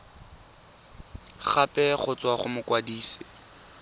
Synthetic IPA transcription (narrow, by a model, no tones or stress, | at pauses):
χapʼɛχʊt͡swaχʊmʊkwadiːsɪ